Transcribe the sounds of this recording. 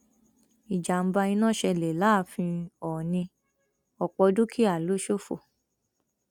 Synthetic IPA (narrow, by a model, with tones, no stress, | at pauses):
i˨d͡ʒa˨m̩˦ba˧ĩ˧nã˦˨ʃɛ˧le˨la˦˨fĩ˧ɔː˨nĩ˧ | ɔ˨k͡pɔ˧du˦kʰi˦a˦˨lu˦ʃo˦fo̰˨